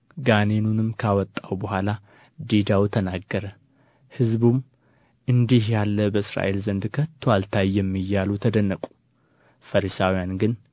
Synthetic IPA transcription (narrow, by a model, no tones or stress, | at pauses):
ɡanenunɨmkʰawɔt̪ʼːawbəhʷala | d̪ed̪awt̪ʰənaɡːəɾə | hɨzbum | ʔɨnd̪ihjalːəbəɨsɾa̰ʔe̞lzənd̪kʰət̪ʰːoalt̪ʰajːɛmːijːalut̪ʰəd̪ənːəkʼu̥ | fəɾisawijanɡɨn